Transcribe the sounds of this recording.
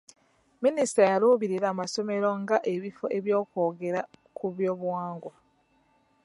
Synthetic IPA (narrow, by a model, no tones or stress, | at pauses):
minisi̥tajaluːβiɾiɾaːmaso̞me̞ɾo̞ŋɡaʔe̞βifo̞ʔe̞βjo̞ːko̞ːɡe̞ɾakuβjo̞ːβwaːŋɡwa